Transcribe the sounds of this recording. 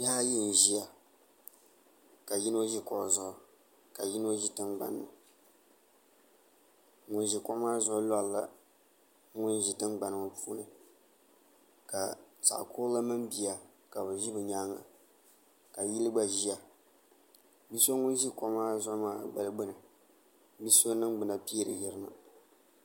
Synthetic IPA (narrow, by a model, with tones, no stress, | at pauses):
jaː˦jɪ˦n˨ʒi˦a˨ | ka˨ji˦no˦ʒi˦kɔ˦˨zʊ˦ʔʊ˨ | ka˨ji˦no˦ʒi˦tɨ˦nɡ͡ba̰˨nɨ˨ma̰˨ | ŋʊ˨n˦ʒi˨kɔ˦maː˦zʊ˦ʔʊ˦la˦lla˦ | ŋʊ˦nʒi˨tɨ˦nɡ͡ba˨nɨ˨ma˨pʰuː˦nɨ˨ | ka˨sa̰˨ʔkʰoː˦la˦mɨ˦mbi˨ja˨ | ka˨bɨ˨ʒi˦bɨ˨ɲaː˦ŋa̰˨ | ka˨ji˦lɨ˦ɡ͡ba˦ʒi˦a˨ | bi˦so˦ŋʊ˦n˦ʒi˦ko˦maː˦zʊ˦ʔʊ˦maː˦˨ɡ͡ba˨lɨ˦ɡ͡bɨ˦nɨ˨ | bi˦so˦nɨ˦ŋɡ͡bɨ˨na˨pi˦ɾɨ˨jɪ˦ɾɨ˦ma̰˨